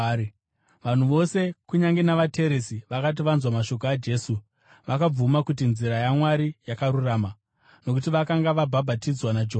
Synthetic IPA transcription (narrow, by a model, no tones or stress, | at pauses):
ʋan̤uʋo̞se̞kuɲaŋɡe̞naʋatʰe̞ɾesiʋakat̬iʋanzwamaʃo̞k̬oad͡ʒe̞ːsu | ʋakab͡vumakut̬inziɾajamwaɾijakaɾuraːma | no̞k̬ut̬iʋakaŋɡaʋabʱabʱatid͡zwanad͡ʒe